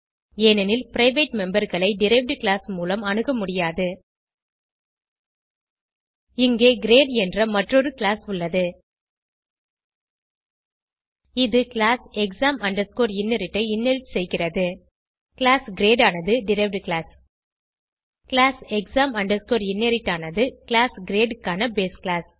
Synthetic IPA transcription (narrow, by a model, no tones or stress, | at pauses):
eːnɐnɪlpɪɾɐɪʋeːʈmɛmbɐɾɣɐɭɐɪɖɪɾɐɪʋʈkɪɭaːsmuːlɐmɐɳɯɣɐmʊɽɪjaːðɯ | ɪŋɡeːɡɪɾeːɖɛndrɐmɐʈrɔɾɯkɪlaːsʊɭːɐðɯ | ɪðɯkɪɭaːsɛksaːmɐɳɖɐɾskoːɾɪnːeɾɪʈːɐɪɪnːɛlʈsɛjɣɪrɐðɯ | kɪlaːsɡɪɾeːɖaːnɐðɯɖɪɾɐɪʋʈkɪlaːs | kɪlaːsɛksaːmɐɳɖɐɾskoːɾɪnːeɾɪʈːaːnɐðɯkɪlaːsɡɪɾeːɖɯkːaːnɐbeːsklaːs